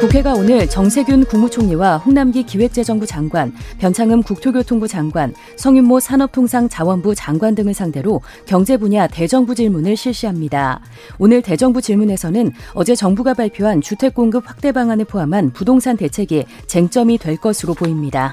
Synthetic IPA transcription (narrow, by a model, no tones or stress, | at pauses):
kukʰe̞ɡaonɯɭt͡ɕʌŋsʰe̞ɡjunkuŋmut͡ɕʰoŋɲiwaɸoŋnamɡikiwe̞k̚t͡ɕ͈e̞d͡ʑʌŋbud͡ʑaŋɡwanpjʌnt͡ɕʰaŋɯmkuk̚tʰoɡjotʰoŋbud͡ʑaŋɡwan | sʰʌŋimːosʰanʌp̚tʰoŋsʰaŋt͡ɕawʌnbut͡ɕaŋɡwandɯŋɯɭsʰaŋde̞ɾo | kjʌŋd͡ʑe̞buɲate̞d͡ʑʌŋbud͡ʑiɭmunɯɭɕʰiɭɕ͈iɦamɲida | onɯɭte̞d͡ʑʌŋbud͡ʑiɭmune̞sʰʌnɯnʌd͡ʑe̞t͡ɕʌŋbuɡabaɭpʰjoɦant͡ɕutʰwe̞k̚k͈oŋɡɯp̚ɸwak̚t͈e̞baŋanɯɭpʰoɦamɦanpudoŋsʰante̞t͡ɕʰe̞ɡi | t͡ɕe̞ŋt͡ɕ͈ʌmidwe̞ɭk͈ʌsʰɯɾopoimɲida